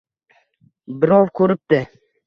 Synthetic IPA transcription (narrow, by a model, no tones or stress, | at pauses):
bɪɾɒvkʰɵɾɪp̚t̪ɪ